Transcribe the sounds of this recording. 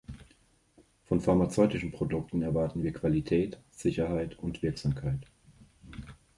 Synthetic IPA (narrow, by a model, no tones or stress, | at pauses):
fɔnfaɐmat͡sɔʏtɪʃn̩pʁ̥odʊktn̩ɛɐvaɐtn̩viːɐkv̥alitʰɛːtz̥ɪçɐɦaɪtʊntv̥ɪɐkz̥aːmkʰaɪt